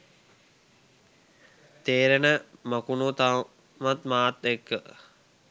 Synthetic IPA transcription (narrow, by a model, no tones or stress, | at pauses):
t̪eːɾənəməkunut̪a | ʋat̪maːt̪ekːə